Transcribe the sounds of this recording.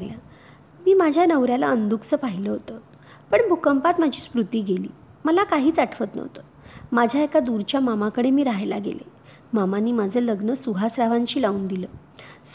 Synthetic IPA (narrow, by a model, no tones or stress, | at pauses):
lja | miːmad͡ʑʱjanəʋɾjala̰ənd̪ukt͡səːpaɦiləɦot̪ə | pəɳbʱukəmpat̪mad͡ʑʱiːspɾut̪iːɡelḭː | məlakaɦiːt͡saʈʰʋət̪nə̰ʋt̪ə | mad͡ʑʱjaekad̪uɾt͡ɕjamamakəɽemiːɾaɦajla̰ɡḛlḛ | mamanːiːmad͡zʱəːləɡnəsuɦasɾaʋaɲt͡ɕiːlauːnd̪iləː | s